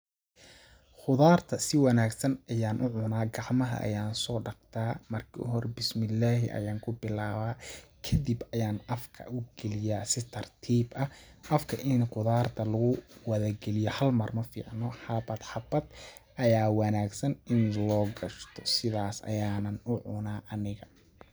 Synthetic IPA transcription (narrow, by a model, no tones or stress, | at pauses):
χʊðaːrt̪ʰɐsɪwɑnaːɡsɐnɐjaːnʔʊʕʊnaːɡɑʕmɐɦɐ̰ʔɐ̰jaːnsɔːɖɑqt̪ʰaːmɐrkʰɪ̰ʔɦɔrbɪsmɪlːaːɦɪ̰ʔɐ̰jaːŋkʰʊbɪlaːβaːkʰɐd̪ibɐjaːnʔɐfkʰɐ̰ʔʊɡɛlɪjaːsɪt̪ʰɐrt̪ʰiːbɐ | ʔɐfkʰɐʔɪnqʊðaːrt̪ʰɐlɐɣʊwɐðɐɡɛlɪjɔhɐlmɐrmɐfḭːʕnɔːħɑbɐd̪ħɑbɐd̪̚ | ʔɐjaːwɑnaːɡsɐnʔɪnlɔːɡɐʃt̪ʰɔ̥sɪðaːsɐ̰jaːnɐnʊʕʊnaːʔɐnɪɣɐ